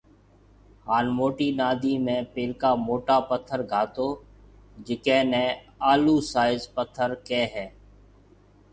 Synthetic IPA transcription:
haːnmoːʈiːnaːd̪ʱiːmẽːpeːlkaːmoːʈaːpət̪ʰːəɾɡʱaːt̪oː | d͡ʒɪkẽːnɛ̃ː | aːluːsaːɪzpət̪ʰːəɾkeːɦɛː

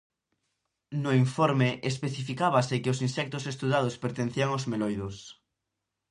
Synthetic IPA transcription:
noiɱfoɾmeʔespeθifikaβasekeosinsɛk̚t̪osest̪uðað̞ospeɾt̪en̟θiaŋozmelojðos

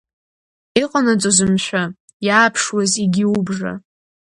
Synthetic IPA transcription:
iqʼanat͡sʷʼozɨmʃʷᶣa | jaːpʰʂwaziɡʲɪubʐa̰

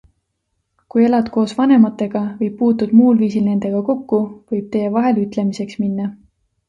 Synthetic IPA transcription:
kuje̞lɑd̪̥ko̞ːsvɑne̞mɑt̪ːˑe̞ɡ̥ɑvɤjb̚pːuːt̪ːud̪̥muːlviːsilne̞nd̪̥e̞ɡ̥ɑko̞kːuvɤjb̥̚t̪e̞jevɑɦe̞lyt̪ˑle̞mise̞ksminːɑ

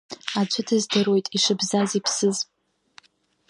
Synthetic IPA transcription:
at͡ʃʷʰʊtʰɨzdɨro̞jtʼiʂɨbzazipʰsɨz

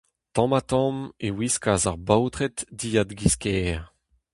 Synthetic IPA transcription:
t̪ɑ̃mat̪ɑ̃mewiskaːzaʁbawt̪ʁɛt̪diːad̪ɡiskɛːʁ

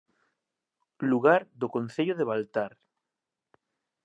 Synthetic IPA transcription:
luɣaɾðokon̟θeʎoðeβalt̪aɾ

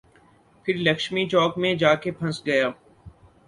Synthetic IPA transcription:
pʰɪɾlɐkʃmit͡ʃɔːkmẽd͡ʒaːkepʰɐ̃sɡɐjaː

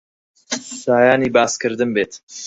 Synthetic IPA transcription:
saːjaːniːbɑːskɨɾd̪ɨnbeːt̪

